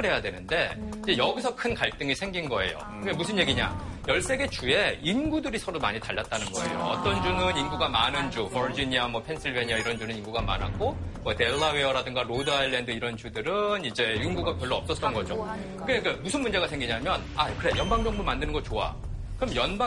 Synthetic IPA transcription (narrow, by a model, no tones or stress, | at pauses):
ɯɭɦe̞jadwe̞nɯnde̞id͡ʑe̞jʌɡisʰʌkʰɯnkaɭt͈ɯŋisʰe̞ŋɡinɡʌe̞̰jo̰kɯemusʰɯnje̞ɡiɲa̰jʌɭs͈e̞ɡe̞t͡ɕue̞inɡudɯɾisʰʌɾoma̰ɲitaɭːat̚t͈anɯnɡʌe̞̰jo̰ʌ̰t͈ʌnd͡ʑunɯninɡuɡamanɯnd͡ʑuv̥ʌɾd͡ʑiɲiamwʌpʰe̞nsʰiɭve̞ɲiaiɾʌnd͡ʑunɯninɡuɡama̰na̰k͈omʌte̞ɭːaweʌɾadɯŋɡaɾodɯajlːendɯiɾʌnd͡ʑudɯɾɯnid͡ʑe̞inɡuɡapjʌɭːoʌp̚s͈ʌt͈ʌnɡʌd͡ʑo̰ | kɯek͈amusʰɯnmund͡ʑe̞ɡasʰe̞ŋɡiɲamjʌnakɯɾe̞jʌnbaŋd͡ʑʌŋbumandɯnɯnɡʌt͡ɕoa̰ | kɯɾʌmjʌnba